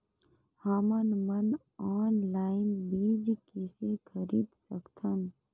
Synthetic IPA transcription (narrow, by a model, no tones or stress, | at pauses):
haːmənmən | ɔːnlaːɪnbiːd͡ʒkisekʰəɾiːd̪sə̰kt̪ʰən